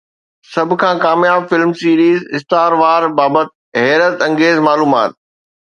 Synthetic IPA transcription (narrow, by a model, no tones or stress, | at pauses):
sɐbʱʊ̆kʰãːkaːmjaːbfɪlmsiːɾiːzɪst̪aːɾʋaːɾbaːbət̪ | ɦɛːɾət̪ɐ̃ŋɡeːzmaːluːma̰ːt̪̚